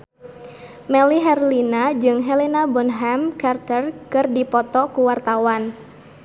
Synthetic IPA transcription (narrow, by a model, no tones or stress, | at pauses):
mɛliɦɛrlinad͡ʒɨŋɦɛlinabɔnɦɛmkart̪ərkɨrdipɔt̪ɔkuwart̪awan